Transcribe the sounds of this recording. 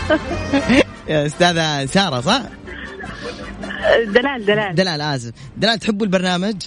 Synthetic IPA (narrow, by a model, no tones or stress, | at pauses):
aʔʊst̪aːðasɑːɾˤɑsˤɑħ | d̪alaːld̪alaːld̪alaːlʔaːsɪf | d̪alaːlt̪ħɪbːɪlbɑɾˤnaːmad͡ʒ